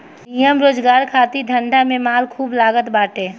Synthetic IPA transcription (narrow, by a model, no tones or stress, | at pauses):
nijəmɾoːd͡ʒɡaːɾkʰaːt̪id̪ʱə̃ɳɖʱamẽmaːlkʰuːblaːɡət̪baːʈeː